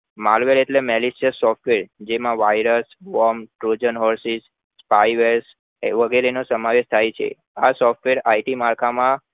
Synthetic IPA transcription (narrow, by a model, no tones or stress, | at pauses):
malʋeɾeʈlemɛlisiəsːɔfʈʋeɾd͡ʒemãʋajɾəsʋɔmʈɾod͡ʒənɦɔɾsis | spajʋeɾs | ʋəɡeɾenosəmaʋeʃt̪ʰajt͡ʃʰḛ | asɔfʈʋeɾaiʈimaɾkʰamã